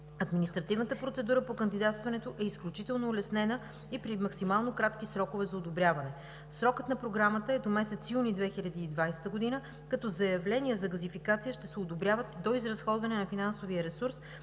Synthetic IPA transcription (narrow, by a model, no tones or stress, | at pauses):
ɐd̪minist̪ɾɐt̪ivnət̪əpɾot̪sɛd̪uɾəpokənd̪id̪at̪st̪vɐnɛt̪oʔɛisklʲut͡ʃit̪ɛlˠnoːlɛsnɛnə | ipɾimɐksimalˠnokɾat̪k̟isɾɔkovɛzɐod̪obɾʲjavɐnɛ | sɾɔkət̪nɐpɾoɡɾamət̪əɛd̪omɛsɛt̪sjunid̪vɛxiʎʲɐd̪iːd̪vajst̪əɡod̪inə | kɐt̪ɔzɐjɐvlɛniəzɐɡɐzifikat̪sijəʃt̪ɛsɛod̪obɾʲjavət̪̚d̪oizɾɐsxɔd̪vɐnɛnɐfinansoviəɾɛsuɾs